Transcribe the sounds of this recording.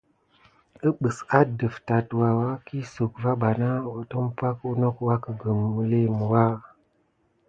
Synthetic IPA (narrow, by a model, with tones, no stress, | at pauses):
ə˦ɓə˨sa˦də˨fta˨twa˨wa˦ki˦so˨kva˦ɓa˨na˦˨wə˨to˦m˦pa˦ku˦no˦kwa˦kə˨ɡə˨m˨u˦le˦mu˨wa˦˨